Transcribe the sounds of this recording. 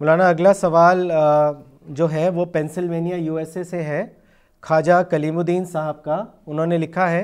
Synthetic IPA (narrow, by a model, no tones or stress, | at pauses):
mʊlaːnaɐɡlasɐʋaːl | d͡ʒoːɦɛʋopɛ̃ːnsɪlʋeːnijajuːɛːseseɦɛ | kʰaːd͡ʒakɐliːmʊd̪iːnsaːɦəb̚kaʊnɦõːnelɪkʰaɦɛː